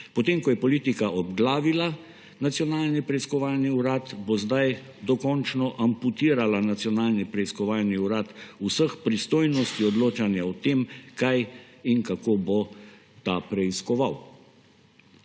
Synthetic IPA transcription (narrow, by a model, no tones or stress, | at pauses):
pɔt̪emkɔjɛpɔliːt̪ikaʔɔbɡlaːʋila | nat̪sjɔnaːlnipɾɛiskɔʋaːlniuɾaːt̪bozd̪aj | d̪ɔkɔnt͡ʃnɔʔamput̪iːɾalanat̪sjɔnaːlnipɾɛiskɔʋaːlniuɾaːt̪usəxpɾist̪oːjnɔst̪iɔd̪loːt͡ʃanjaɔt̪emkajiŋkakobo | t̪apɾɛiskɔʋaw